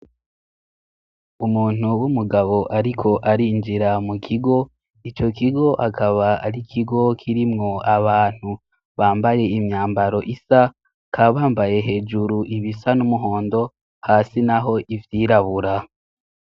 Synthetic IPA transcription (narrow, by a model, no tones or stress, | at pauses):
umuːn̥uwumuɡaβo̞ʔaɾikʰo̞ʔaɾind͡ʒiɾamukʰiɡo̞ | it͡ʃo̞kiɡo̞ʔakʰaβaa̰ɾikʰiɡo̞kʰiɾimŋo̞aβaːn̥hu | βaːmbaje̞imɲaːmbaɾo̞ʔisa | kʰaːβaːmbaje̞ɦe̞ːʒuɾuʔiβisanumuɦo̞ːndo̞ | haːsinaɦo̞ʔivjiːɾaβuɾa